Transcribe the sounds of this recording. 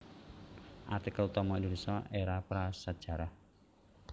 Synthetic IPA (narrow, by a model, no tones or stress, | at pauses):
ʔat̪ikaut̪ɔmɔind̪uɾisɔʔeɾapɾasad̥ʒ̥a̤ɾah